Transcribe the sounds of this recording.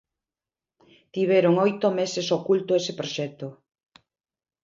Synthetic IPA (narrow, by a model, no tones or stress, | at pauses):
t̪iβ̞eɾoŋojt̪omesesokult̪oesepɾoʃɛt̪o